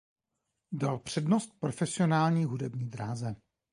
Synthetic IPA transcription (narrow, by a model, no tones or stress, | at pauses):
dalpr̝̥ɛdno̞st̪̚pɾofɛsɪo̞naːlɲiːɦudɛbɲiːd̪ɾaːzɛ